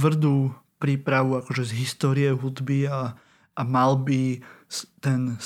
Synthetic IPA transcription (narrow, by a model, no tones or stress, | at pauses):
ʋr̩d̪uː | pɾiːpɾaʋuakɔʒɛzɦist̪ɔːɾiɛɦud̪bia | ʔːmalbi | t̪ɛn